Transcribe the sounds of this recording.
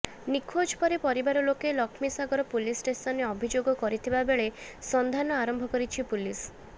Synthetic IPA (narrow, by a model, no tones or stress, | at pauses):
nikʰod͡ʒpɔɾepɔɾibaɾɔlokelɔkʰmisaɡɔɾɔpulisʈesɔneɔbʱid͡ʒoɡɔkɔɾit̪ʰibabeɭesɔnd̪ʱanɔaɾɔmbʱɔkɔɾit͡ʃʰipulis